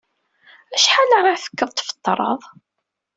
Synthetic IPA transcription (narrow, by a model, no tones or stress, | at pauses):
æʃħanəʁaθə̥kːəðˤt̪fə̥t̪ˤːɾˤə̰ðˤ